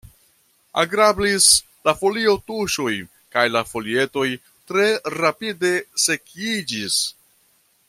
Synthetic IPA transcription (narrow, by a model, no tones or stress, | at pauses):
a̰ɡɾablis | lafo̞lio̞tuʃoj | kajlafo̞lie̞to̞j | tɾe̞ɾapide̞se̞kid͡ʒis